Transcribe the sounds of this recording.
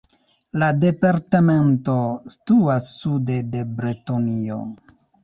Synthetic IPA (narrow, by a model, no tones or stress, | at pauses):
lade̞paɾtame̞nto̞stuasude̞de̞bɾetonio̰